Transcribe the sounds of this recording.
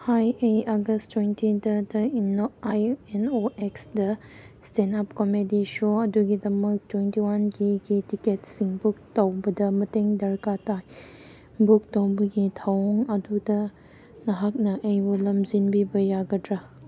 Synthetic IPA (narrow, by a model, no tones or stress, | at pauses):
hajejaɡɐstwentidɐdɐinoajenoeksdɐ | stenapkomediʃoɐduɡidɐmɐk̚twentiwanɡiɡitiketsiŋbuk̚tɐwbɐdɐmɐteŋdɐɾkataj | buk̚tɐwbɐɡitʰawŋɐdudɐ | nɐɦak̚nɐʔɐjbulɐmzinbibɐjaɡɐdɾa